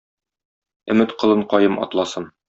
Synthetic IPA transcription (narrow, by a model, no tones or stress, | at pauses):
ɵ̆mɘt̪qɤ̆lˠɤɴqɒjɤmɒ̰t̪lˠɑsɤn